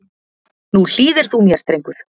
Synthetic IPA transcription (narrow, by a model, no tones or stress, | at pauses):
nul̥iːðɪɾ̥θumjɛɾ̥t̪ɾejŋkʏɾ̥